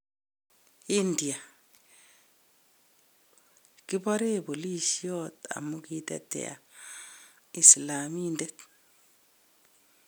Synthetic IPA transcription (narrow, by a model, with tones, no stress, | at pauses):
i˦ndi˨a˨ | ki˦bɔ˦ɾe˦bo˨li˦ʃi˦ota̰˨mu˦ki˦tɛ̰˦tḛ˨a̰˨ | i˨sla˨mi˦ndet